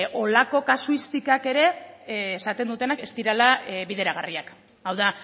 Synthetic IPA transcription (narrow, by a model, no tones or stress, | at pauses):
ʔo̞lako̞kasuist̪ikake̞ɾe̞ːsat̪e̞nd̪ut̪e̞nake̞st̪iɾalaβiðe̞ɾaɣ̞ariak | awða